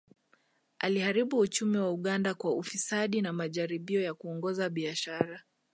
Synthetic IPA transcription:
ʔalihaɾiɓuːt͡ʃumiwauɠandakwaufisaɗinamaʄaɾiɓiɔjakuɔŋɡɔzaɓiaʃaɾa

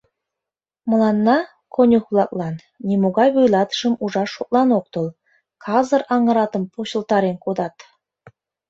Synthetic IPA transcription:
mɤ̆lˠɑnːɑ | kʰonʲuxβlˠɑk̚lˠɑnːʲemoɣɑjβujlˠɑt̪ə̥ʃə̆muʒɑʃok̚lˠɑnok̚t̪olˠ | kʰɑzɤ̆rɑŋə̆ɾɑt̪ə̆mpʰoɕə̆lˠt̪ɑɾenkod̪ɑt̪

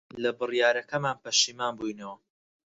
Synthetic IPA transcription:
lɐbɨrjaːɾɐkɐmaːnpɐʃiːmaːnbujnɐwɐ

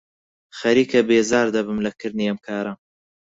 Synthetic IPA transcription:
xɐɾiːkɐbeːzaːɾd̪ɐbɨmlɐkʰɨɾniɐmkʰaːɾa

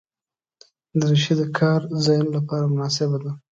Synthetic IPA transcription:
d̪əɾeʃid̪əkʰɑɾzajnlapɑɾamʊnɑs̬ɪbad̪a

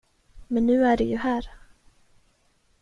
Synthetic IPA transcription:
mɛnːʉ̟ːæɖɛjɵɦæːɾ

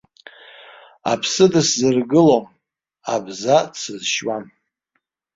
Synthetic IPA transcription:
a̰pʰsɨdɨszɨrɡɨlom | abzasɨzʃwan

